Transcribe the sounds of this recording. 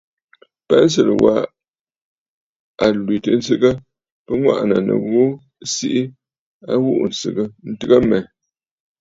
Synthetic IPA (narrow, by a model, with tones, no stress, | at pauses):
pɛ˦n̩˦s̬ə˨lə̰˨wa̰˦ | a˨lwi˨tə˨n̩˦sɨ˦ɣə˦ | pə˦ŋwa̰˦ʔnə˨nə̰˨ɣu˦ | si˦ʔi˦ | a˦ɣu˦ʔn̩˨sɨ˨ɣə˦n̩˦tɨ˦ɣə˦mɛ˨